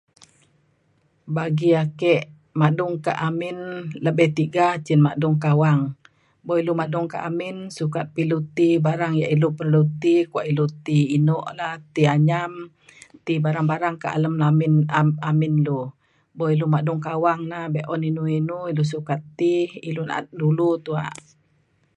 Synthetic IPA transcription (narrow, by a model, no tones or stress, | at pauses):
baɡiakɛʔ | maʔduŋka̰ʔamɪnləbɛht̪iɡaht͡ʃinmaduŋkawaŋ | bɔilumaduŋka̰ʔamɪnsukat̪̚pilut̪ibaɾaŋjaʔilupərlut̪ikuwaʔilut̪iinɔʔlaht̪iaɲam | t̪ibaɾaŋbaɾaŋka̰ʔa̰ləmlamɪnaamɪnlu | bɔilumaduŋkawaŋnabɛʔɔninuinuilus̬ukat̪ːiḭluna̰a̰t̪̚dulut̪ua̰ʔ